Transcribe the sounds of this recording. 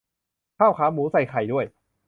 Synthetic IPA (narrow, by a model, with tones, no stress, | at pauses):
kʰaː˥˩wkʰaː˩˥muː˨˦sa˨˩jkʰa˨˩jdu˥˩əj